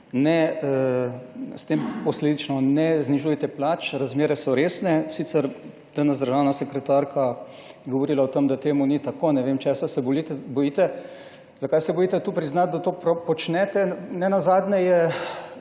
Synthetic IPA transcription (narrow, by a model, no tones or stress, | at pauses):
nɛ | st̪eːmpɔsleːd̪it͡ʃnɔnɛzniʒuːjɛt̪ɛplaːt͡ʃɾazmeːɾɛsɔɾeːsnɛsiːt̪sɛɾ | d̪̥anɛzd̪əɾʒaːwnasɛkɾɛt̪aɾkʰa | jɛɡɔʋɔɾiːlaot̪emd̪at̪eːmunit̪akoːnɛʋemt͡ʃɛsasɛbɔlit̪ɛbɔjit̪ɛ | zakajsɛbɔjiːt̪ɛt̪uːpɾiznat̪̚d̪at̪oːpɾopɔt͡ʃnɛt̪ɛnɛnazaːd̪nɛjɛ